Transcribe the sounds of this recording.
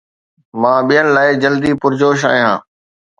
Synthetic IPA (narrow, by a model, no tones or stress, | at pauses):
mãːɓijənɪ̆laːɪd͡ʑəld̪iːpʊɾd͡ʑoːʃ̬a̰ːɪ̃ɦã̰ː